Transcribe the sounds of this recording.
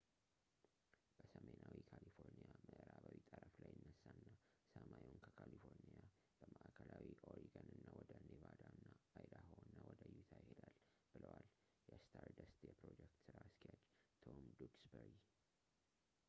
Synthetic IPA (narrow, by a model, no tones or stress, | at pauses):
b̥əsəmenʔawikʰalifo̞ɾnijaməʔɨɾaβawit̪ʼəɾəflajːɨnːəsːanːasəmajwunkʰəkʰalifo̞ɾnija | b̥əmaʔakʰəlawiʔoɾiɡanɨnːawɔd̪ənevad̪aɨnːaajd̪aɦoɨnːawɔd̪əjut̪ʰajɪhed̪al | b̥ɨləwal | jɛst̪ʰaɾd̪əst̪jɛpɾo̞d͡ʒɛk̚t̪sɨɾaskʰijad͡ʒt̪ʰomd̪uksbəɾi